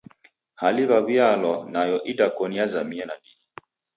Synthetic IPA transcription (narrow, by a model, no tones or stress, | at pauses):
haliβaβialɔnajɔʔidakɔniazamiɛnadii